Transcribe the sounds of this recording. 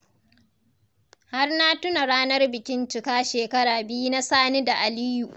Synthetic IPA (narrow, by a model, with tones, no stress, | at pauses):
ha˦rna˦tʊ˦na˨ɽaː˦nɐ˦rbɪ˨kʲɪ˦nt͡ʃɪ˨kaː˦ʃeː˨kɐ˦ɽaː˨bɪ˦ji˦na˦saː˦ni˦da˨ʔa˨liː˦ju˨ʔ